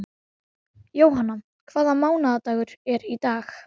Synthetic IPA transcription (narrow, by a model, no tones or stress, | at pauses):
joːwɦanːa | kʰv̥aːðamaːwnaðat̪aːɣʏɾ̥ɛɾit̪aːx